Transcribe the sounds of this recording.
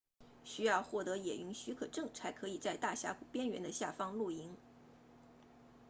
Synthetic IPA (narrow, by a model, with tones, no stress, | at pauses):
ɕy˥jɑ˥˧ʊxwɔ˥˩t̪ɤ˧˥jɛ˨˩y˧˥ŋɕy˧˥kʰɤ˨˩ʈ͡ʂɤ˥˩ŋt͡sʰa˧˥ɪkʰɤ˧˥i˨˩t͡sa˥˧ɪt̪a˥˩ɕja̰˧˥ku˨˩pjɛ˥nɥɛ˧˥nd̪ə˧ɕja˥˩fɑ˥ŋlu˥˩i˧˥ŋ